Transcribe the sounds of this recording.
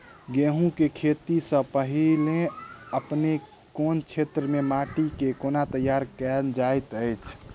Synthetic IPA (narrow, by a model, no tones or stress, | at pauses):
ɡeɦũkekʰet̪isə̃pəɦileəpne | kont͡ʃʰet̪ɾəmemaʈikekonat̪əjaɾkɛd͡ʒajt̪əjt͡ʃʰ